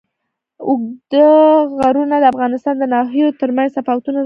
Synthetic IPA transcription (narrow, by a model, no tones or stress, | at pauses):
ʊɡd̪əɣaɾunad̪əafɣɑnɪst̪ɑnd̪ənɑɦijot̪əɾmanzsafɑwt̪una